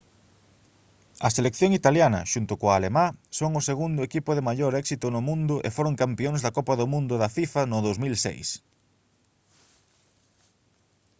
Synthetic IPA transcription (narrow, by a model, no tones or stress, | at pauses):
ɐselekθjoŋit̪aljanɐ̰ʃunt̪ʊkoaːlemasoŋʊseɣund̪ʊekipʊðɪmaʎoɾɛksit̪ʊnʊmũnd̪ʊʔḛfoɾoŋkampioŋzðɐkɔpɐðʊmũnd̪ʊðɐfifɐnʊðowzmilsḛjs